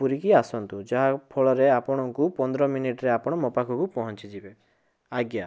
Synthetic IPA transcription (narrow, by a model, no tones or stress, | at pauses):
uɾikiasɔnt̪ud͡ʒaɦapʰɔɭɔɾeapɔɽ̃ɔŋkupɔnd̪ɾɔminiʈɔɾeapɔɽ̃ɔmɔpakʰɔkupɔɦɔnt͡ʃid͡ʒibe | aɡja